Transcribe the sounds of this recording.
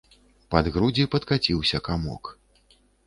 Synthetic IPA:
pɐd̪ɣɾud͡zʲipɐt̪kat͡sʲiwsʲɐkamɔ̰k

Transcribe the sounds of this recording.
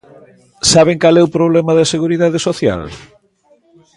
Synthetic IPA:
saβ̞eŋkalɛupɾoβ̞lɛmɐðɐseɣuɾiðaðesoθja̰l

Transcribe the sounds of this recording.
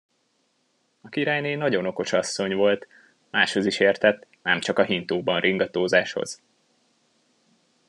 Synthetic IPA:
ɒkiɾaːjneːnɒɟo̞no̞ko̞ʃɒsːo̞ɲʋo̞lt̪ | maːʃho̞ziʃeːrt̪ɛt̪ːnɛmt͡ʃɒkɒɦint̪oːbɒnrʔiŋɡɒt̪oːzaːʃho̞̰z̥

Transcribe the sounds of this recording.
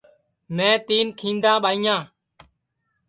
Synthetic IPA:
mẽːt̪iːnkʰĩːnd̪ãːɓaːiːjãː

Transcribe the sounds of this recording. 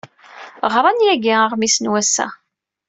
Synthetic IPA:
ʁɾˤɑnjæɡiaʁmisnwæsːæ̰

